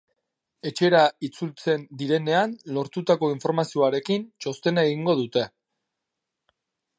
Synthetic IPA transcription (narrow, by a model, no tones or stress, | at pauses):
e̞t͡ʃe̞ɾait͡sult͡se̞nd̪iɾe̞ne̞anlo̞ɾt̪ut̪ako̞iɱfo̞ɾmasio̞aɾe̞kint͡ʃo̞st̪e̞naeɣiŋɡo̞ð̞ut̪e̞